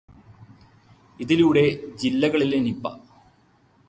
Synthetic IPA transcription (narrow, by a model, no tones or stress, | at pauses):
iðiluːɽe̞d͡ʑilːɐɣɐɭilenipːɐ̰